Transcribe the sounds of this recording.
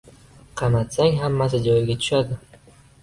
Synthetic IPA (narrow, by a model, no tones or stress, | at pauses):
qʰɑmat̪saŋʲɦamːasɪd͡ʒɒjɪɡʲat̪ʰʊ̥ʃad̪ɪ